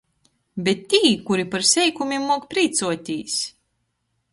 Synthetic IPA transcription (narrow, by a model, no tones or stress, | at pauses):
bʲet̪ʲːiːkuɾipaɾsʲɛjkumʲimːuɔkpɾiːt̪suɔt̪ʲiːs